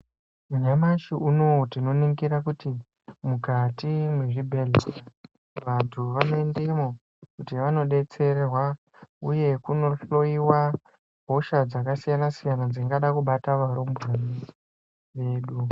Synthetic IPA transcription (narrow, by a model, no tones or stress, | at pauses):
uɲamaʃiuno̞tino̞niŋɡiɾakuti | mukatimwe̞ʐibʱe̞ɮera | ʋantʰuʋanoendemo | kutiʋano̞ɗe̞t͡se̞ɾerwa | uje̞kuno̞ɬo̞iwa | bʱo̞ʃad͡zakasijanasijanad͡ziŋɡaɗakuɓataʋaɾombani | ʋe̞ːɗu